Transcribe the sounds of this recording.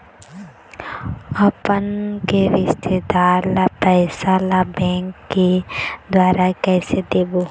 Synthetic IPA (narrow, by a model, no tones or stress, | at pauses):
ɐpənkeɾɪʃt̪ʰed̪aːɾlapɛːsalabɛ̃ːŋkːed̪waːɾakɛːsed̪eːboː